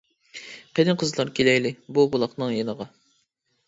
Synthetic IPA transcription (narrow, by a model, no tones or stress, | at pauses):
qʰenɨqʰəzlˠɑɾkʲʰelɛjlɪbubulˠɑqnɨŋjenəʁɑ